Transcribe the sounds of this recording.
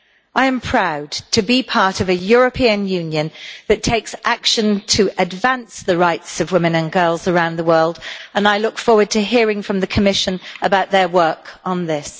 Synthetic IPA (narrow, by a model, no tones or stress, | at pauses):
ʔaɪə̃mpʰɹ̥aʊdtʰɨbipʰɑɹˑtʌvɨjɔɹəpʰiə̃njʉ̃njə̃nðɨtʰeɪksʔakʃə̃ntʰəʔədvãnsðəɹaɪtsəvwɪ̃mɨ̃nə̃nɡɜːlˠzəɹãʊ̃nðəwɜːlˠdə̃naɪlʊkfɔːwəd̚tʰɨɦɪəɹɪ̃ŋfɹə̃mðɨkʰəmɪʃə̃nəbaʊʔ̪ðəwɜˑ˞kn̩ðɪs